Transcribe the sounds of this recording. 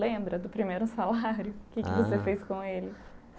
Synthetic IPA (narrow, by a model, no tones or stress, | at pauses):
ẽbɾɐd̪ʊpɾimejɾʊsalaɾjʊkɪkɪvosefejskõelɪ